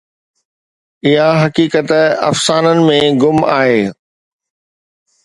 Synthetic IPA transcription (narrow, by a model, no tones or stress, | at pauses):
ɪɦaɦɐkiːkət̪ɐ̰fsaːnənɪ̆mẽɡʊmaːɦeː